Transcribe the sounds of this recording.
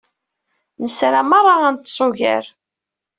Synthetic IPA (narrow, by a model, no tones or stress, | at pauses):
nəsɾæmɑrˤːɑænt̪ːsˤʊʝæ̰ɾ